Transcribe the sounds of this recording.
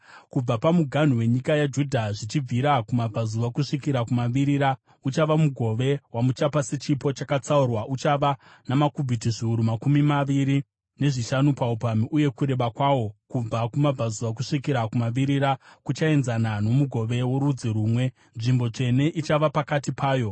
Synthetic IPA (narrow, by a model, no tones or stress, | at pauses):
kub͡vapamuɡʱan̤uwe̞ɲikajad͡ʒudʱaʐit͡ʃib͡vʱiɾakumab͡vʱazuakuʂikiɾakumaʋiɾiɾa | ut͡ʃaʋamuɡʱo̞ʋe̞wamut͡ʃapasit͡ʃipo̞t͡ʃakat͡saurwaʔut͡ʃaʋa | namakubʱitiʐiuɾumakumimaʋiɾi | ne̞ʐiʃanupaupamiʔuje̞kuɾe̞ʋakwawo̞kub͡vakumab͡vʱazuʋak̬uʂikiɾakumaʋiɾiɾakut͡ʃae̞nzanano̞muɡʱo̞ʋe̞wo̞ɾud͡ziɾuːmwe̞ | nʐimbo̞t͡ʂe̞ne̞ʔit͡ʃaʋapakatipʰaːjo̞